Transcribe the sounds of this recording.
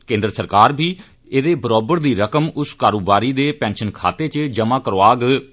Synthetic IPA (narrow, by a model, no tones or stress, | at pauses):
kẽːnd̪ɾəsəɾkaːɾbʱiː | eːd̪eːbəɾɔːbəɾd̪iːɾəkəmʊskaːɾoːbaːɾiːd̪eːpɛ̃ːnʃənkʰa̰ːt̪eːt͡ʃd͡ʒəmãːkəɾʋaːɡ